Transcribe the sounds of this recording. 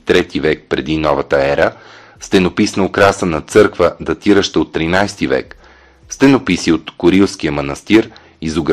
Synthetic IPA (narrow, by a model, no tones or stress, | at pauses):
t̪ɾɛt̪ivɛk̚pɾɛd̪inɔvət̪əɛɾə | st̪ɛnopisnəlˠkɾasənɐt̪sɤɾkvəd̪ɐt̪iɾəʃt̪əot̪ːɾinajst̪ivɛ̰k | st̪ɛnopisiot̪kʊɾilˠsk̟ijəmɐnɐst̪iɾ | izoɡ